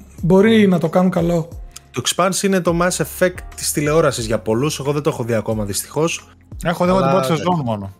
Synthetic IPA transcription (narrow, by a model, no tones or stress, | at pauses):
bo̞ɾinɐt̪o̞kɐnukɐlo̞t̪oekspɐnsinet̪o̞mɛsefekt̪ːi̥st̪ile̞o̞ɾɐsizʝɐpo̞luse̞ɣo̞ðed̪oexo̞ðiɐko̞mɐðist̪i̥xo̞s | e̞xoðiot̪ibot̪sezo̞numono